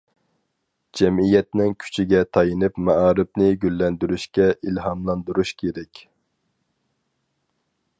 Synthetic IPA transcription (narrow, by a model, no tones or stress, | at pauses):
d͡ʒɛmijɛt̪nɪŋkʲʰy̥t͡ʃʰiɡʲɛt̪ʰɑjinɨpmɛʔɑːɾɪpnɪɡʲylːɛnd̪yɾyʃkʲɛʔilɦɑmlˠɑnd̪uɾuʃkʲʰeɾɛkʲ